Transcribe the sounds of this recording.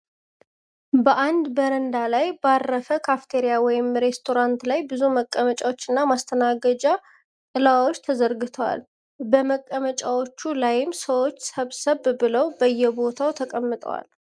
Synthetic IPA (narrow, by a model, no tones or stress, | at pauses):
bəʔand̪bəɾənd̪alajbarːəfəkʰaft̪ʰe̞ɾijawɔjɪmɾe̞st̪ʰo̞ɾant̪lajbɨzuməkʼːəmət͡ʃʼawo̞t͡ʃːɨnːamast̪ʰənaɡəd͡ʒa | ɨlawawo̞t͡ʃːt̪ʰəzəɾɡɨt̪ʰəwa̰l | bəməkʼːəmət͡ʃʼawo̞t͡ʃːulajɪmsəwo̞t͡ʃːsəβsəβːɨləwbəjːɛbo̞t̪ʰawt̪ʰəkʼəmːɨt̪ʼə̰wa̰l